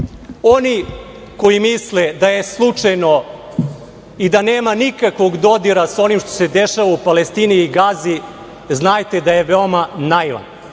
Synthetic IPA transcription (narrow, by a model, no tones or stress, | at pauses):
o̞ni | ko̞jimisled̪aje̞slˠut͡ʂajno̞ | id̪ane̞ːmanikakʋo̞ɡd̪o̞d̪iɾasao̞nimʃt̪o̞̥sed̪eʃaʋaupale̞st̪iːniːɡazi | znaːjt̪e̞d̪aje̞ʋeomanajʋa̰n